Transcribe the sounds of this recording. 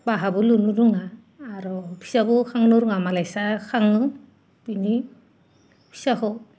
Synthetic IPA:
baɦabulunuɾuŋaː | ɾɔbʰisabukʰaŋnɔɾuŋamalajsakʰaŋɯ | b̥ini | bʰisakɔ

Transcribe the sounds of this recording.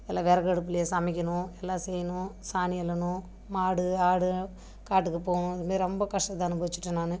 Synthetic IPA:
ɛlːãːʋɛːɾɐkɐɽɯp̬ːɪlɐjesɐmɪk̬ʲːɐnʊ̃ɛlːãːsɛːjɐnʊ̃saːnɪɛlːɐnʊ̃ | maːɽɯaːɽɯ | kaːʈːɯkːɯpoːɐɳʊ̃ɐðɯmaːðɾɪɾɔmbɐkɐʂʈɐt̪ːãɐnɯbɐʋɪt͡ʃːɪʈːɯnaːnɯ

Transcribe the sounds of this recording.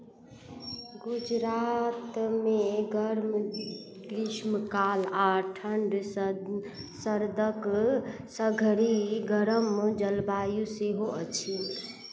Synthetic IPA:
ɡud͡ʒɾat̪meɡəɾm | kɾiʃmkalaʈʰəɳɖ | səɾd̪əksəɡʱɾiɡəɾəmd͡ʒəlbajuseɦoʔət͡ʃʰil

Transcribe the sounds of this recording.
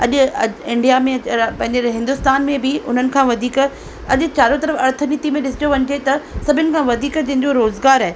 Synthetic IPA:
ɐʄʊɐɪ̃ɳɖijamẽpɐ̃ɦɪ̃ɲd͡ʑeɦɪ̃nd̪ʊst̪aːnmẽbɪʊn̤ənɪ̆kʰãːʋɐd̪ʱiːk | ɐʄʊt͡ɕaːɾot̪ɐɾəfɐɾt̪ʰəniːt̪imẽɗɪsɪ̥d͡ʑjoʋɐɲd͡ʑet̪ɐsɐbʱɪnɪ̆kʰãːʋɐd̪ʱiːkd͡ʑɐ̃ɦɪ̃ɲd͡ʑoɾoːzɡaːɾaːe

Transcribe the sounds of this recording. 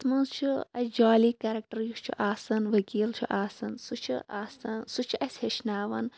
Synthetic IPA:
smɐnzt͡ʃʰuɐsd͡ʒaːliːkɐɾɐk̚ʈɐɾjut͡ʃʰṵʔaːsɐnʋɐkiːlt͡ʃʰuʔaːsɐnsut͡ʃʰṵaːsɐnsut͡ʃʰiʔɐsʲheʃnaːʋɐn

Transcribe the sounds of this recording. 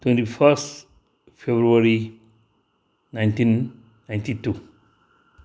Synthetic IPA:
twẽntifəst | febɾuaɾi | nãɪ̃ntĩn | nãj̃ntitu

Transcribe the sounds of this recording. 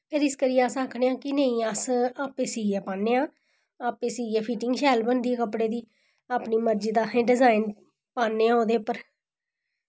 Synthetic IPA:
pʰɪɾɪskəɾiːəsãːkʰɽeːãːkɪnəĩːəsaːpeːsiːɛːpãːnːeːãː | aːpeːsiːɛːpʰiːʈɪŋɡʃɛːlbənd̪ieːkəpɽeːd̪iː | aːpniːməɾd͡ʒiːd̪aːsẽːɖɪzaːɪn | paːnːeːãoːd̪eːpəɾ

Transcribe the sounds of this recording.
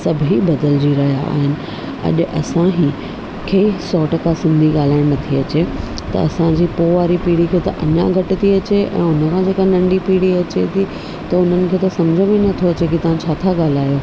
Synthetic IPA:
sɐbʱɦibɐd̪əld͡ʑiɾɐɦija̰ːɦɪnɪ̆ | ɐ̰ʄʊ̆ʔɐ̰sãɦi | kʰeisɔːʈɐkasɪ̃nd̪ʱiɠaːl̤aːɪɽ̃nɐt̪ʰiɐt͡ɕe | t̪ɐ̰ɐsãd͡ʑiːpoːʋaːɾipiːɽikʰeːt̪ɐʔɐɲaɡʱɐʈɪ̆t̪ʰiɐt͡ɕeʔɛ̰̃ːʊnə̆kʰãd͡ʑeːkanɐ̃ɳɖipiːɽiɐt͡ɕet̪ʰi | t̪ɐʊn̤ənɪ̆kʰeːt̪ɐsɐmd͡ʑʱəmẽnɐt̪ʰoɐt͡ɕekit̪ɐʋ̤ãt͡ɕʰaːt̪ʰaɠaːl̤aːjo

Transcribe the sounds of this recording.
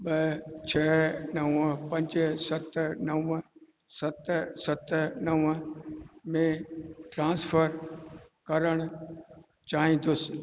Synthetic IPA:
ɓɐt͡ɕʰɛːnɐʋəpɐ̃ɲd͡ʑsɐt̪ʰnɐʋ | sɐt̪sɐt̪nɐʋə | mẽʈɾãːsfəɾkɐɾəɽ̃ʊ | t͡ɕaːɦĩːn̆d̪ʊsɪ̥

